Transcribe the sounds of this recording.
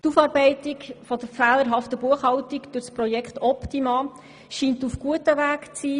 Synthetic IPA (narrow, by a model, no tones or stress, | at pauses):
tufɑːɾbɛɪtikfɔd̥əɾfæːləɾɦɑftəbuəχhɑwtikd̥ʊɾspɾɔjɛkʰχtɔptimɑː | ʃiːntufɡ̥uətəʋæːkt͡siː